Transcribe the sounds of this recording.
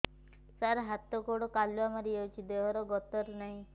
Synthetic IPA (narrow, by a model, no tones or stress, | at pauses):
saɾɦat̪ɔkoɽɔkaljuamaɾiewt͡ʃʰid̪eɦɔɾɔɡɔt̪ɔɾnaɦĩ